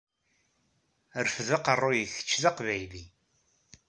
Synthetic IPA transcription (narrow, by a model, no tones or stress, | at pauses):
ɾəfðəqərˤːujəçə̥t͡ʃːðɑqvæjli